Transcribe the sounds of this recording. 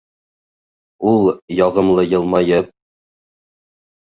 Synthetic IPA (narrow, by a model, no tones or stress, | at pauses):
ulˠjɒʁɤ̆mlˠɤjɤ̆lˠmɑjɤp̚